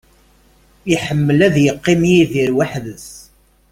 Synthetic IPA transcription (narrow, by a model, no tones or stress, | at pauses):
iħəmːəlæðjəqːimjiðiɾwaħðəs